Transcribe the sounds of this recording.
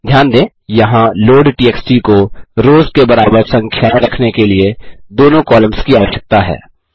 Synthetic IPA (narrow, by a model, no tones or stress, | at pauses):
d̪ʱjaːnd̪ẽː | jɐɦãloːɖʈiːɛːksʈikoɾoːzkebɐɾaːbəɾsɐ̃ŋkʰjaɾɐkʰnekelied̪oːnõkɔːlə̃mskiaːʋəʃjək̚t̪aɦɛ̰ː